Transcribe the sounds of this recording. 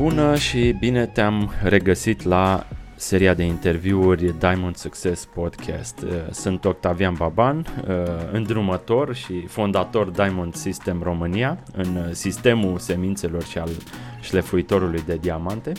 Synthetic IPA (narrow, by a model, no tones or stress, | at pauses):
b̥unəʃibine̞t̪eamre̞ɡəsit̪la | se̞ɾiad̪e̞int̪e̞rviurʲd̪ajmond̪sukt͡ʃe̞spo̞d̪kʲʰɛ̰st̪əsɨnt̪o̞k̚t̪avianbaban | ɨnd̪ɾumət̪o̞rʃifond̪at̪o̞rd̪ajmond̪sist̪e̞mro̞mɨniaɨnsist̪e̞muse̞mint̪se̞lo̞rʃialʃle̞fuit̪o̞ɾulujd̪e̞d̪iamant̪e̞